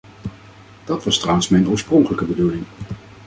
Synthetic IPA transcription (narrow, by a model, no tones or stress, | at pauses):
d̥ɑtʋɑstrawənsmɛjnʊːɹsprɔŋkələkəbədulɪŋ